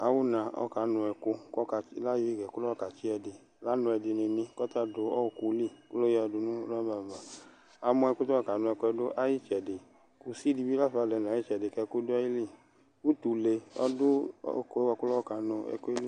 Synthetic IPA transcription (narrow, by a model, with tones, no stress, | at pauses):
a˨wu˦nã˨ɔ̰˦ka˨˦nʊ̃˧ɛ˧ko˧kɔ˦ka˧˦la˦ji˧˦i˦ɡɛ˨ku˦lɔ˦ɔ˦ka˨t͡ʃi˦ɛ˧dɪ˨ | la˨˦nʊ̃˧ɛ˧di˨˧ne˨nĩ˧kɔ˦ta˦do˨˦ɔ˦˨ku˧˦li˦˨ku˦lo˦ɛ˦ɔ˧du˨˧nũ˦lɔ˦ba˨ma˨ | a˧mɔ̃˧ɛ˧ku˦tɔ˦a˦˨ka˨˦nʊ̃˧ɛ˧ko˧ɛ˧dʊ˦ʔa˦ji˦t͡ʃɛ˨de˨ | ku˧si˦di˧bi˦la˦fa˧˨lɛ˨˧˨n˨˦i˦t͡ʃɛ˨de˨kɛ˧ku˦dʊ˦ɔ˦ji˦li˦˨ | u˦tu˨le˧ɔ̰˦dʊ̰˦ko˧˦ɛ˦wa˧ku˦lɔ˦ɔ˦ka˨˦nʊ̃˧ɛ̰˧ko˦i˦li˦